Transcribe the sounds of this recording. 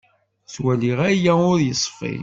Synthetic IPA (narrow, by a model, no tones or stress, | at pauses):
swæliʁæjæʊɾjəsˤːfḭ